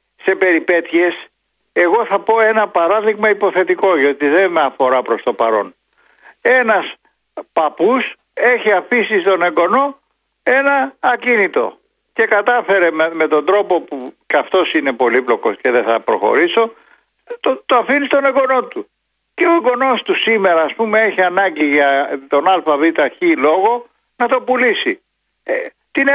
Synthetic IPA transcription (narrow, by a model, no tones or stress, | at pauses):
se̞pe̞ɾipe̞t̪ie̞s | e̞ɣo̞θɐpo̞e̞nɐpɐɾɐðiɣmɐipo̞θe̞t̪iko̞ʝot̪iðe̞meɐfo̞ɾɐpɾo̞st̪o̞pɐɾo̞̰n | e̞nɐs | pɐpus | e̞çiɐfisist̪o̞ne̞ɡo̞no̞ | e̞nɐːcinit̪o̞̰ | ce̞kɐt̪ɐfe̞ɾe̞mme̞t̪o̞nd̪ɾo̞po̞pucɐft̪o̞sine̞po̞liplo̞ko̞sce̞ðeθɐpɾo̞̰xo̞̰ɾiso̞ | t̪ot̪oɐfinist̪o̞ne̞ŋɡo̞no̞t̪u | ce̞o̞eŋɡo̞no̞st̪usime̞ɾɐːspumee̞çiɐnɐɲɟiʝɐt̪o̞nɐlfɐvit̪ɐçilo̞ɣo̞ | nɐt̪o̞pulisi | t̪in